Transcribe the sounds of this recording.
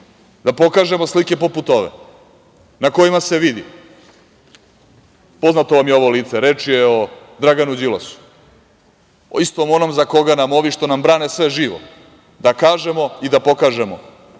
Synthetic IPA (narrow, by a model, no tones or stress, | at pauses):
d̪apo̞kaːʒe̞mo̞slike̞poput̪o̞ʋḛ | nako̞jimaseʋid̪ḭ | po̞znat̪o̞ʋamjeo̞ʋo̞liːt̪se̞ɾet͡ʃijeo | d̪ɾaɡanud͡ʑilo̰su̥ | ist̪omonomzako̞ɡanamoʋiʃt̪o̞nambɾaːnesʋe̞ʒiːʋo̰ | d̪akaːʒe̞mo̞id̪apo̞kaʒemo̰